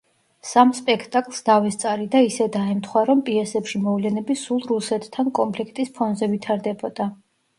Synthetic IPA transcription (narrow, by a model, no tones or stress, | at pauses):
samspʼɛkʰt̪ʼakʼlˠsd̪avɛst̪sʼaɾid̪aisɛd̪aɛmt̪ʰχwaɾɔmpʼiɛsɛpʃimɔvlɛnɛbisulˠɾusɛt̪ʰːankʼɔmpʰlikʰt̪ʼispʰɔnzɛvit̪ʰaɾd̪ɛbɔd̪̥a